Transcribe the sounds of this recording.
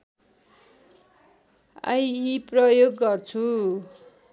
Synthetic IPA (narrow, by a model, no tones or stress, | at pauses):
a̰jiprʌjoɡːʌrt͡sʰu